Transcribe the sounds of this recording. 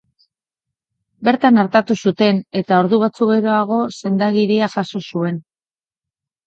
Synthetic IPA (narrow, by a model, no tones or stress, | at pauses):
be̞ɾt̪anaɾt̪at̪usut̪e̞ne̞t̪ao̞ɾðuβ̞at͡suɣe̞ɾo̞aɣ̞o̞se̞nd̪aɣiɾiaʝaso̞sue̞n